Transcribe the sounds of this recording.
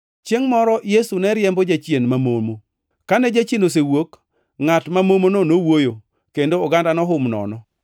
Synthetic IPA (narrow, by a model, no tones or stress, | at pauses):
t͡ʃjeŋmɔɾɔjesunɛɾjɛmbɔd͡ʒat͡ʃjenmamomo | kanɛd͡ʒat͡ʃienos̬ewok | ŋatmamomononowojo | kendoɔɡandanɔɦʊmnɔ̰nɔ